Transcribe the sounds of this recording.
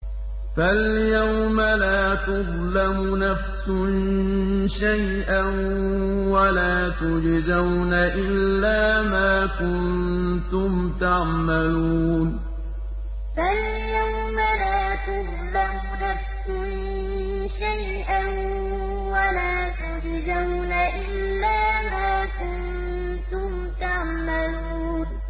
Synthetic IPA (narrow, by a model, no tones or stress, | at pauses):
faljawmalaːt̪ʊðˤ | lamʊnafsʊn | ʃajʔan | walaːt̪ʊd͡ʒzawnaʔɪlːaːmaːkʊnnt̪ʊmt̪ɑʕmaluːn | fal | jawmalaːt̪ʊɾ | lamʊnafsʊn | ʃaj | ʔan | walaːt̪ʊd͡ʒɪzawnaʔɪlːaːmaːkʊn | t̪ʊmt̪ɑʕmaluː | n